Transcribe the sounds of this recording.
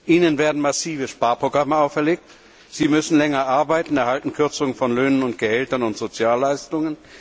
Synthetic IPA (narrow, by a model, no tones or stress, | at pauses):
ʔiːnənveːɐdn̩masiːvəʃpaːɐpʁ̥oɡʁaməaʊfɛɐleːk̚t | z̥iːmʏsn̩lɛŋɐʔaɐbaɪtn̩ɛɐhaltn̩kʰʏɐt͡sʊŋəfɔnløːnənʊnt̚ɡ̥əhɛltɐnʊntz̥ot͡sjaːlːaɪstʊŋən